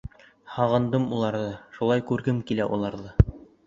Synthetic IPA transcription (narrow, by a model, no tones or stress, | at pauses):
hɑʁɤ̆nd̪ɤmulˠɑɾðɤʃulˠɑjkʉɾɡɘmkilæʔulˠɑɾðɤ